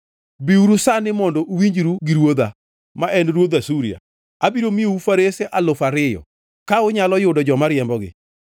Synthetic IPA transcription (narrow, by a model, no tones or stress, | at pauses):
biuɾusanɪmɔndɔʔwiɲd͡ʒɾuɡɪɾwod̪a | maʔɛnɾwod̪asuɾia̰ | abiɾomɪoufaɾeseʔalofaɾɪjɔ̰ | kaʊɲalɔjʊdɔd͡ʒɔmaɾɪɛmbɔɡɪ̰